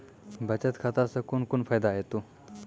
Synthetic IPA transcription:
bʱət͡ɕət̪kʰat̪asəkonkonfajd̪aɦet̪o

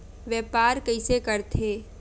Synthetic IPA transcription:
ʋjɛːpaːɾkəɪsekəɾt̪ʰeː

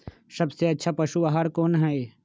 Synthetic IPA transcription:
sɐbseɐtːʃʰapɐʃubaɦaɾkoːnɦɛe

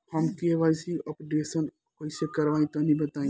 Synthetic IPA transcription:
həmkieʋasiəpɖesən | koisekɐɾʋaːĩt̪onĩbət̪aːĩ

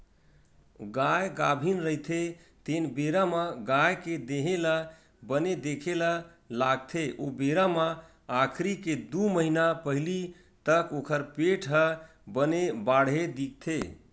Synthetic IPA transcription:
ɡajɡabʱinɾəɦjt̪ʰe | t̪enbeɾamaɡajked̪eɦela | bəned̪ekʰela | laɡ̚t̪ʰeʔobeɾama | akʰɾiked̪uməɦinapəɦili | t̪əkokʰəɾpeʈɦə | bənebaɽɦed̪ik̚t̪ʰe

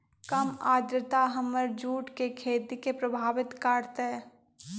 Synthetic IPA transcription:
kɐmaːd̪ɾət̪aɦɐmːəɾd͡ʒuːʈkekʰeːt̪ikepɾəbʱaːʋɪt̪kaːɾt̪ɦɛ

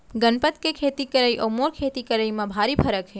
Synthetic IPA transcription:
ɡənpət̪kekʰet̪ikəɾajʔomoɾkʰet̪ikəɾajmãbʱaɾipʰəɾəkɦe

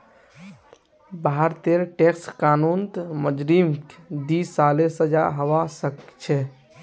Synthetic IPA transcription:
baɦəɾt̪eɾʈekskaːnunt̪məd͡ʒɾimkd̪isalesəd͡ʒa̰ɦəʋasəkt͡ʃʰɛ

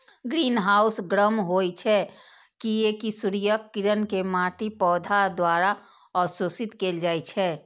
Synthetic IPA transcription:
ɡɾiːnɦaːʊsɡɾəmɦoːit͡ʃʰɛ | kiekisʊɾijəkːiɾənkemaːʈipɔːd̪ʱad̪waːɾa | ɔːsosɪt̪keːld͡ʒaːit͡ʃʰɛː

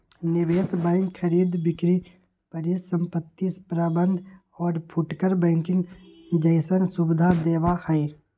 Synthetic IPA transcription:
nɪʋeːsbɛ̃ːŋkxʰəɾiːd̪bɪkɾi | pəɾisə̃mpət̪ːispɾaːbə̃nd̪ʱ | ɔːɾpʰʊʈkəɾbɛ̃ːŋkɪ̃ŋɡd͡ʒəɪsənsʊbɪd̪ʱad̪eːʋahɛe

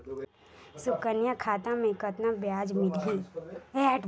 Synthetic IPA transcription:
sʊkənjakʰaːt̪amẽkət̪nabjaːd͡ʒmɪliɛːʈ

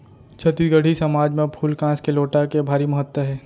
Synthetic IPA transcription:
t͡ʃʰɐt̪iɡəɽ̤isɐmaːd͡ʒmẽpʰuːlkãːskeloːʈakebʱaːɾimɐɦət̪wəɦɛː

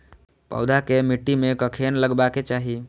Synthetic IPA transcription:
pɔ̰ːd̪ʱakemiʈːimekəkʰenləɡbaket͡ʃaɦi

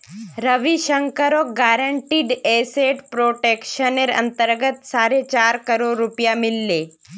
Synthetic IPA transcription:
ɾəʋiʃəŋkəɾoɡaːɾəɳʈiːɖeːseːʈpɾoːʈeːkʃəneɾɐ̰̃nt̪əɾɡət̪saːɾet͡ʃaːɾkəɾoːɾːʊpijamɪlːeː

